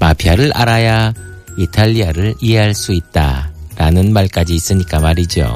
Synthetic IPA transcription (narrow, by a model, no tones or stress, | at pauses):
mapʰiaɾɯɭʔaɾaja | itʰaʎːiaɾɯɭiɦe̞ɦaɭs͈uit̚t͈a̰ɾanɯnmaɭk͈ad͡ʑiːs͈ɯɲik͈amaɾid͡ʑo̰